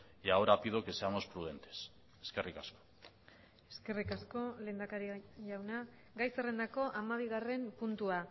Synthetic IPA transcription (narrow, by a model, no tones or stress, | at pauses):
aoɾapiðo̞ke̞seamospɾuð̞e̞nt̪e̞̥s | eske̞rikasko̥ | e̞ske̞rikasko̞le̞ːnd̪akaɾiʝawna | ɡajsere̞nd̪ako̞ʔamaβ̞iɣare̞mpunt̪ua